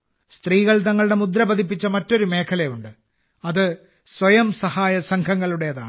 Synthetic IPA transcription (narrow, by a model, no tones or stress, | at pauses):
st̪riːɣɐɭt̪ɐŋːɐɭuɽe̞mud̪ɾɐbɐd̪ip̬ːit͡ɕːɐmɐtːo̞ɾume̞ːkʰɐlɐjuɳɖɨ | ɐðɨ | swɐjɐmsɐhaːjɐsɐŋkʰɐŋːɐɭuɽe̞jɐða̰ːɳɨ